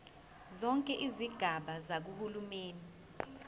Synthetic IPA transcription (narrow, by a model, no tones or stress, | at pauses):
zɔŋkʼɛʔiziɡ̥ʱaɓazak̬uhulumeːni